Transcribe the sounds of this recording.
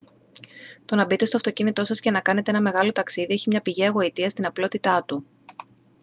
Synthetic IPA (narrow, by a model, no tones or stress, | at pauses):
t̪o̞nɐbit̪e̞st̪oɐft̪o̞cinit̪o̞sɐscenɐkɐne̞t̪e̞enɐme̞ɣɐlo̞t̪ɐksiðieçimɲɐpiʝiɐɣo̞it̪iɐst̪inɐplo̞t̪it̪ɐt̪u